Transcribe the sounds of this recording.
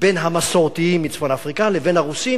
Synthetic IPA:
be̞nɦamasoʁt̪iimːit͡sfonafʁikaleve̞nhaʁusi

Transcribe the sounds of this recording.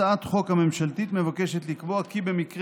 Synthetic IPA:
aat̪χo̞khamemʃalt̪it̪me̞vakeʃet̪likboakibe̞mikʁ

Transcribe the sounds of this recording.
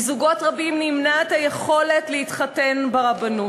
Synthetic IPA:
zuɡo̞tʁabimnimnaet̪hajeχo̞letlehitχatenbaʁabanu

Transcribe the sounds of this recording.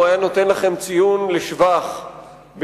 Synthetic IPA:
ajano̞t̪e̞nlaχe̞mt͡sijunleʃvaχ | b

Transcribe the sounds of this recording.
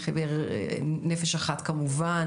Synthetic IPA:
χeveʁnefeʃaχat̪kamuvan

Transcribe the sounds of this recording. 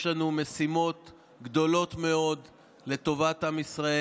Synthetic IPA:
lanume̞simo̞t̪ | ɡd̪o̞lo̞t̪me̞o̞d̪ | le̞t̪o̞vatamisʁae

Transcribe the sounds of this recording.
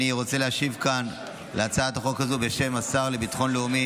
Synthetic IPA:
iʁo̞t͡se̞leaʃivkan | leat͡saat̪aχo̞kazube̞ʃe̞masaʁle̞bit̪ḁχo̞nleumi

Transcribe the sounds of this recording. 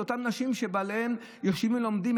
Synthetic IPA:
otamnaʃimʃebalehem | joʃivimlomd̪im

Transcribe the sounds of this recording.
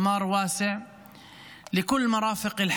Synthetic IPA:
mɑːɾˤwaːsɪʕ | lɪkʊlːmɑɾˤɑːfɪqɪlħ

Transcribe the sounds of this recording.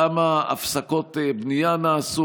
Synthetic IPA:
amaa̰fsako̞tebnijanaːsu

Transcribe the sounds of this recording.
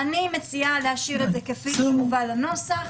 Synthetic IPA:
animet͡sialehaʃiʁezekafilmuvalano̞saχ

